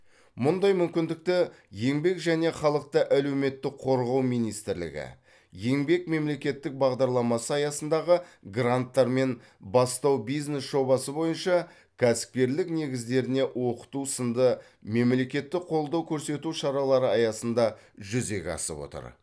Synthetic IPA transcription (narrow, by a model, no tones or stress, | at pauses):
mʊnd̪ɑjmʏmkʲɪnd̪ɪk̚t̪ɪ | je̞ŋbe̞kʒæne̞χɑlˠəq̚t̪əʔæle̞wme̞t̪ːɪkqʰo̞ɾʁɑwmijnijst̪ɪɾlɪ̰ɡʲɪ̰ | je̞ŋbe̞k̚me̞mle̞kʲe̞t̪ːɪk̚bɑʁd̪ɑɾlˠɑmɑsəɑjɑsənd̪ɑʁəɡrant̪ːɑɾme̞n | bɑst̪ɑwbijzne̞sʒ̥o̞bɑsəbo̞jənʃɑ | kʲʰæsɪ̥p̚kʲe̞ɾlɪkne̞ɡʲɪzd̪e̞ɾɪne̞wo̞qə̥t̪usənd̪ə | me̞mle̞kʲe̞t̪ːɪqʰo̞lˠd̪ɑwkʲʰɵɾse̞t̪uʃɑɾɑlˠɑɾəɑjɑsənd̪ɑʒʏze̞ɡʲɑ̰sə̰pwo̰t̪ə̰ɾ